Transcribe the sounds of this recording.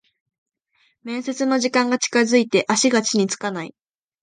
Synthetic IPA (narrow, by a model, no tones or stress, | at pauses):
mẽ̞ɰ̃se̞t͡sɨno̞ʑikãŋɡat͡ɕi̥kazɨit̪e̞ʔaɕiɡat͡ɕiɲ̟it͡sɨ̥kanaḭ